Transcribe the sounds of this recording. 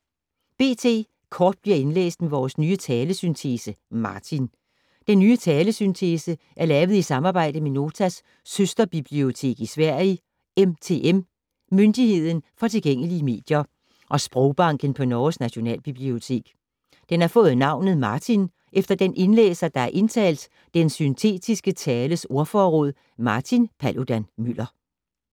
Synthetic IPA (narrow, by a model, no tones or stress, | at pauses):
b̥e̝̰ːt͡sʰe̝̰ː | kʰɒːd̥̚b̥liɐ̰e̝nlḛːsd̥meʋɒːsnyːət͡sʰɛːləsynt͡sʰe̝ːsəmɑ̈ːt͡sʰin | d̥enːyːət͡sʰɛːləsynt͡sʰeːsə | ʔæɐlɛːʊð̩ˠisɑ̈mɑ̈ːb̥ɑ̈ɪ̰d̥əmeno̝ːt͡sʰæsː | øsd̥ɐb̥ib̥lio̝t͡sʰe̝̰ːɡ̥isʋæɐ̰ə | emt͡sʰe̝ːʔem | mønd̥ihe̝ð̞̰ˠn̩fɒ̽t͡sʰe̝lɡ̥eŋ̰əliəme̝̰ːd̥jɐ | ʔɒ̽sb̥ʁɔʊb̥ɑ̈ŋ̰ɡ̥ən̩pʰɒ̽nɒːsnæɕo̝nɛ̰ːlb̥ib̥lio̝t͡sʰe̝̰ːɡ̥ | d̥enæɐfɔ̽ːð̩ˠnɑ̈ʊ̰nð̩ˠmɑ̈t͡sʰin | ʔefd̥ɐd̥enʔe̝nlḛːsɐd̥ɑ̈æɐʔe̝nt͡sʰɛ̰ːld̥ | d̥ensynt͡sʰe̝̰ːd̥isɡ̥ət͡sʰɛːləso̝ɐfɒːʁɔ̽ð̰ˠ | mɑ̈ːt͡sʰinpʰælʔod̥ænmyl̰ɐ